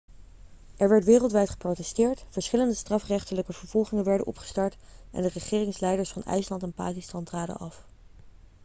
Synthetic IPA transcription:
ʔɛɹʋɛɹtʋɪːrəlˠtʋɛjtχə̥prowtɛstɪːɹtfəɹsχɪləndəstrɑfrɛχtələkəv̥əɹv̥ɔlˠχɪŋənʋɛɹdə̰nɔ̰pχə̥stɑɹtʔɛ̰ndərəχɪːrɪŋslɛjdəɹsfɑnɛ̰jslɑntɛnpa̰ːkistɑntraːdə̰ʔɑf

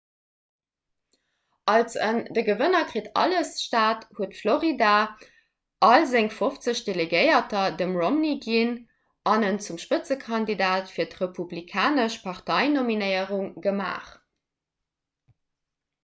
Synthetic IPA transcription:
ʔɑlsəndəɡəvənɐkʁitɑ̰ləsʃtaːthuətfloʁida | ʔɑlzeŋfoft͡səɕd̥eleɡəɪɐtɐdəmʁomniɡin | ɑnənt͡sumʃpət͡səkʰɑndidaːtfiːɐtʁepʰublikʰaːnəʃpʰɑʁtɑɪnominəɪəʁuŋɡəma̰ːχ

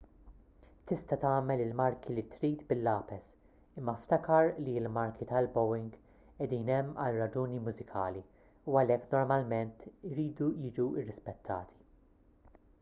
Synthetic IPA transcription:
t̪ɪst̪ɐt̪ɐːmɛlɪlmɐɾkilit̪ɾiːt̪bɪlːɐːpɛs | ɪmːɐft̪ɐkɐɾliɪlmɐɾkʰit̪ɐlbɔwɪŋɡ | ɛd̪iːnɛmːɐlrɐd͡ʒuːnimʊzɪkʰɐːli | uɐlɛkːnɔɾmɐlmɛnt̪ɪɾiːd̪ujɪːd͡ʒuɪrːɪspɛt̪ʰːɐ̰ːt̪ʰi̥

